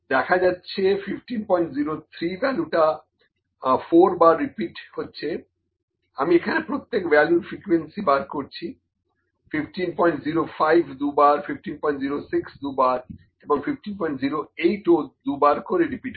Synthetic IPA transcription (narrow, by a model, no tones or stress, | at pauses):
d̪ɛkʰad͡ʑatːɕʰefifʈinpɔjɳʈziɾot̪ʰɾibɛluʈa | foɾbaɾːipiʈhotːɕʰe | amiekʰanepɾot̪ːekbɛljuɾfɾikwensibaɾkoɾt͡ɕʰi | fifʈinpɔjɳʈziɾofajbʱd̪ubaɾfipfʈinpɔj̃ɳʈziɾosiksd̪ubaɾ | eboŋfifʈinpɔjĩɳʈziɾoejʈod̪ubaɾkoɾeɾipiʈ